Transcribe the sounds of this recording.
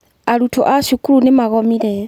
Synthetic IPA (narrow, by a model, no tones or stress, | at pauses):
aɾutʰɔ̰ʔaʃukuɾunemaɣɔmiɾɛ